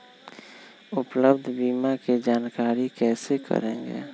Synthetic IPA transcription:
ʊpləbd̪ʱbiːmaked͡ʒaːnkaːɾikɛːsekə̰ɾẽːŋɡḛː

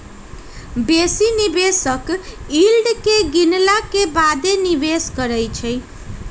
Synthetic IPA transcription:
besinibesʌkilɖkeɡinlakebad̪enibesɡʌɾʌjt͡ʃʰʌj

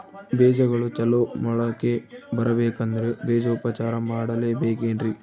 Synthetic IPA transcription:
beːd͡ʒɐɡɐɭut͡ʃɛlomɐɭɐkːebɐɾɐbeːkɐnd̪ɐɾebeːd͡ʒɐupɐt͡ʃaːɾɐmaːɽɐleːbeːkeːnɾi

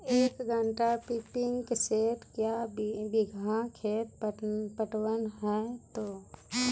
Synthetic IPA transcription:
eːkɡʱə̃ɳʈapɪpɪ̃ŋɡkeseːʈkjabɪɡʱãkʰeːt̪pəpəʈwənɦɛt̪oː

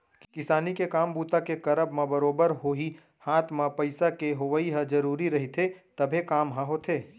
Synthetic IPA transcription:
kkɪsaːnikekaːmbuːt̪akekɐɾəbmãbəɾoːbəɾɦoːɦi | hãːt̪ʰmãpɐɪsakeɦoʋəiɦə̃d͡ʒɐɾuːɾiɾɐɦit̪ʰet̪ɐbʱekaːmɦəɦoːt̪ʰeː

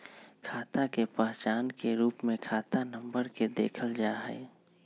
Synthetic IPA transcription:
kʰaːt̪akepəɦt͡ʃaːnkeɾuːpmẽkʰaːt̪anə̃mbəɾked̪ḛːkʰəld͡ʒaːɦɛ̰

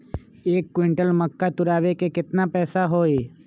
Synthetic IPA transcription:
eːkːwɪ̃ɳʈəlmɐkːat̪ʊɾaːʋekekɪt̪napɛːsaɦoːe

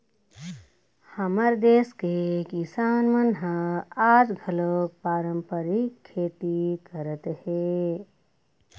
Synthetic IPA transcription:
həməɾd̪eːskekisanmənɦə̃ad͡ʒɡʱəlopaɾəmpəɾikʰːeʈ̪ikəɾət̪he

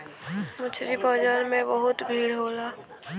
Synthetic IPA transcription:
mʊt͡ʃʰɾipɔːd͡ʒəɾmẽbəɦʊt̪bʱiːɽɦoːlaː

